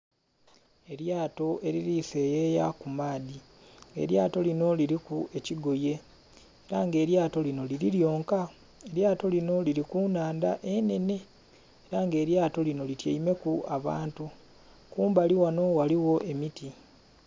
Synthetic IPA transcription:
e̞ɾjaːto̞e̞ɾiɾife̞ːjeːjakumaːði | ḛɾjaːto̞lino̞liɾikue̞ciɡo̞je̞ | eɾaŋɡe̞ːɾjaːto̞lino̞liɾiljo̞ːŋka | e̞ɾjaːto̞lino̞liɾikunaːndaʔe̞ne̞ne̞ | eɾaŋɡe̞ːɾjaːto̞lino̞litjeime̞kuaβa̰ːntu | kuːmbaliwano̞waliwo̞ʔe̞miti

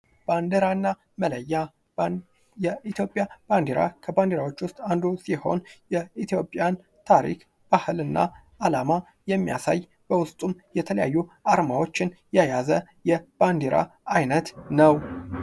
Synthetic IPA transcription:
b̥and̪eɾanːa | mələjːa | jɛit̪jo̞pʼjab̥and̪eɾa̰kʰəband̪eɾawo̞t͡ʃːwʊst̪ʼand̪usiho̞njɛit̪jo̞pʼjan | t̪ʰaɾḭk | b̥ahɨlɨnːa̰ | ʔalama | jɛmːija̰saj | b̥əwʊst̪ʼumjɛt̪ʰələja̰jːuaɾmawo̞t͡ʃːɪnjɛjazə | jɛb̥and̪eɾa̰ajnət̪nəw

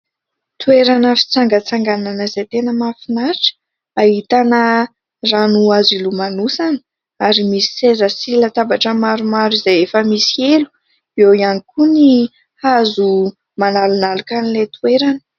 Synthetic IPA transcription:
t̪ueɾanəfi̥t͡saŋɡət͡saŋɡananəzet̪enəmafinaɾʈ͡ʂə̥ | ahit̪anə | ranuazilumanusani | aɾimisi̥sezəsilət̪abaʈ͡ʂəmaɾumaɾizajefəmisielu̥ | ewianikʰuni | hazu | manalunalukanilet̪ueɾanə̥

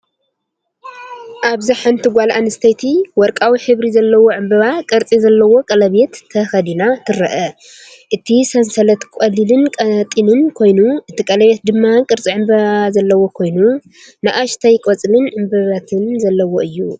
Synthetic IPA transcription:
ʔaβzaħant̪ʰɨɡʷalʔanɨst̪ʰɐjt̪ʰiwɔɾkʼawiħɨβɾizɐlːɐwo̞ʕɨmbɐβakʼɐɾt͡sʼizɐlːɐwo̞kʼɐlɐβet̪ʰːɐxɐd̪inat̪ʰɨɾɐʔɐ | ʔɨt̪ʰisɐnsɐlɐt̪kʷʼɐlilɨnkʼɐt̪ʼinɨnkʰo̞jnuʔɨt̪ʰikʼɐlɐβjet̪̚d̪ɨmːakʼɨɾt͡sʼiʕɨmbɐazɐlːɐwo̞kʰo̞jnu | nɨʔaʃt̪ʰɐjkʼot͡sʼɨlɨnʕɨmbɨβat̪ʰɨnzɐlːɐwo̞ʔɨjːṵ

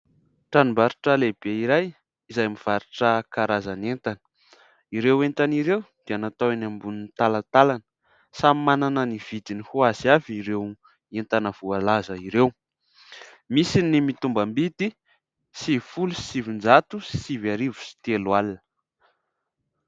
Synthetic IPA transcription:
ʈ͡ʂanimbaɾi̥ʈ͡ʂəleb̥eiɾaj | izajmiv̥aɾiʈ͡ʂəkaɾazanent̪anə̥ | iɾewent̪aniɾewd̪̥eanat̪awenambunint̪alat̪alanə | samimananəniv̥id̪inihuazaviɾew | ent̪anəv̥ualazəiɾew | misinimit̪umbambid̪i | sifulusi̥sivind͡zat̪usi̥sivaɾivu̥si̥t̪elwalnə̥

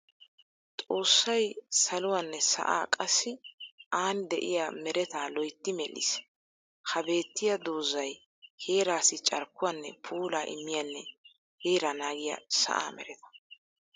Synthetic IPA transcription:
t̪ʼo̞ːsːɐjsɐlʊwanːɛsɐ̰ʔa̰ːkʼɐsːɪaːnd̪ɛʔɪjamɛɾɛt̪aːlɔjt̪ːɪmɛlːɪ̰s | hɐbe̞ːt̪ːɪjɐd̪oːzɐj | he̞ːɾaːsɪt͡ʃʼɐɾkːʊwɐnːɛpʰuːlaːʔɪ̰mːɪjɐnːɛ | heːɾanaːɡɪjɐ̰sɐ̰ʔa̰ːmɛ̰ɾɛt̪ɐ̥

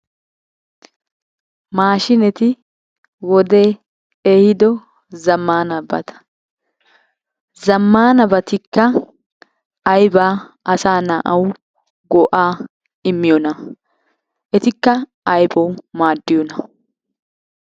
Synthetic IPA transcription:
maːʃɪnɛt̪ɪ | wɔd̪e̞ː | eːhɪd̪ɔ | zɐmːaːnɐbɐ̰t̪ɐ̥ | zɐmːaːnɐbɐt̪ɪkːɐ | jbaːʔɐsaːnɐʔɐw | ɡɔʔaː | ɪmːɪjɔnɐ | ʔɛt̪ɪkːɐ | ɐjbɐwmaːd̪ːɪjɔnɐ

